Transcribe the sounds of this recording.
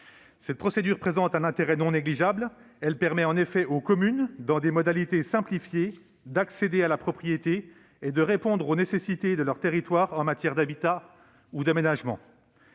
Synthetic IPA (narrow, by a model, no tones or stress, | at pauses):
sɛt̪̚pχɔsed̪yʁpχezɑ̃t̪ɛ̃nɛ̃t̪eʁɛnɔ̃neɡliʒabl | ɛlpɛʁmɛɑ̃nefɛʔokɔmynd̪ɑ̃d̪emɔd̪alit̪esɛ̃plifje | d̪aksed̪ealapχɔpχijet̪eː | d̪əʁepɔ̃d̪ʁonesesit̪ed̪əlœʁt̪eʁit̪waʁɑ̃mat̪jɛʁd̪abit̪a | ud̪amenaʒmɑ̰̃